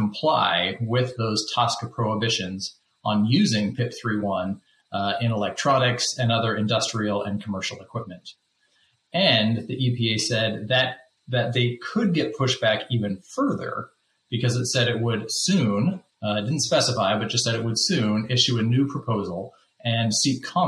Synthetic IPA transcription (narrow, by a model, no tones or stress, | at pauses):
m̩pʰl̥aɪwɪðoʊz̥tʰɑskəpʰɹ̥oʊəbɪʃɨ̃nz | ə̃n̩jʉzɪ̃ŋpʰɪp̚θɹiwʌ̃n | ɪ̃nəlɛk̚tʰɹ̥ɑnɨksɨ̃nʌðə˞ɨ̃ndʌstɹ̥il̩ˠɨ̃nkʰəmɜ˞ʃl̩ˠəkʰw̥ɪp̚mɨ̃nt | ɨ̃nðiʔipʰieɪsɛd̪̚ðɨt̪̚ | ðɨt̪̚ðeɪkʰɨd̚ɡɛt̚pʰʊʃb̥ækivɨ̃nfɜ˞ðə̰˞ | b̥ɨkʰʌzɨtsɛɾɨt̚wədsʉ̃n | ɪt̚d̥ɪdⁿn̩tspɛsəfaɪbʌt̚d̥ʒ̥ʌstsɛɾɨʔ̚wəd̥sʉ̃nɪʃʉɨnʉpʰɹ̥əpʰoʊzl̩ˠ | ʔɨ̃nsitkʰɑ̃